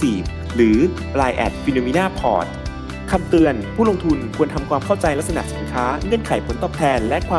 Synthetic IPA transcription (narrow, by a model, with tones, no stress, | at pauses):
siː˨˩p̚ | ɾɯː˩˦ | laː˧jʔɛ̰˨˩t̪̚wi˧nuː˧miː˦˧˥naː˥˩pʰɔ̰ː˨˩t̪̚ | kʰa˧mt̪ɯ˧ənpʰuː˥˩lo˧ŋt̪ʰu˧nkʰu˧ənt̪ʰa˧mkʰwaː˧mkʰa˥˩wt͡ɕa˧jlɛ˦˥k̚s̬a˧na̰˨˩ʔsi˩˦nkʰaː˦˥ŋɤ˧˩ənkʰa˨˩˦jpʰo˩˦nt̪ɔː˨˩t̪ʰɛː˧nlɛ˦˥ʔkʰwaː˧